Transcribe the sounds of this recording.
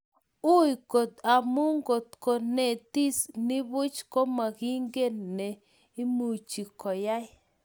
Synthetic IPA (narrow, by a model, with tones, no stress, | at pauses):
u˦jko˨t̪a˨mu˦ŋɡo˨t̪̚ko˨ne˨t̪i˦sni˦bu˦t͡ʃko˦ma˨ɡi˦ŋɡe˦nnːe˨ | i˦mu˨t͡ʃi˨kɔ˨ja˦j